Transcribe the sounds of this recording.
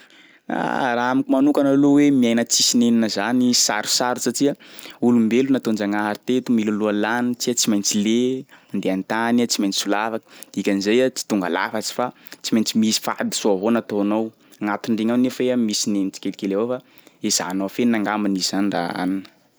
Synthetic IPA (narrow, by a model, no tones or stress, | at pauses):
a̰raamikʲimanukanalowemiajnət͡sisineninəzanisaɾu̥saɾusaʈ͡ʂiəulumbelunat̪ond͡ʒaŋaɾit̪et̪umilulualanit͡siat͡simajnt͡sileand̪eant̪anat͡simajnt͡si̥sulafakə̥ikʲanizajat͡si̥t̪uŋɡa̰la̰fat͡si̥fa | t͡simajnt͡simisi̥fa̰d̪i̥suaɦonat̪oanow | ŋat̪uɳɖ͡ʐeŋawnefeamisinenit͡si̥kʲelikeleafa | ez̥a̰noafenaŋɡambaniz̥anira̰a̰ninə̥